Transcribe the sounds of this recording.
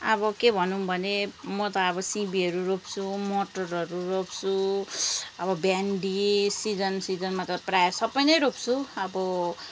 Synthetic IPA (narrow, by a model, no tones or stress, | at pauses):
ʌbʌkebʱʌnubʱʌnemʌt̪ʌːbʌsibiʌɾuropt͡sʰumoʈʌrʌɾurop̚t͡sʰu | ʌbʌbjaɳɖisid͡zʌnsid͡zʌnmat̪ʌprajsʌbːʌjnʌjɾop̚t͡sʰuʌbʌ